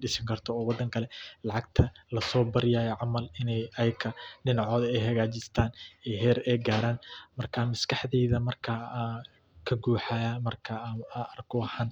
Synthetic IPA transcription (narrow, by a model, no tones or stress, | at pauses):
ɖɪʃɪŋkʰɐrt̪ʰɔːwɑd̪ːɐŋkʰɐlɛlɑʕɑɡ̚t̪ʰɐlɐsɔːbɐɾɪjaːjɛʕɑmɐlɪnɛjɐjkʰɐɖɪnɑʕɔːðɐɛjɦɐɣaːt͡ʃɪst̪ʰaːnɛɦɛːɾɛjɡaːɾaːnmɐrkʰamɐskʰɐħðɛːðɐmɐrkʰɐ | kʰɐɡuːħajamɐrkʰɐɐrɡʰɔħan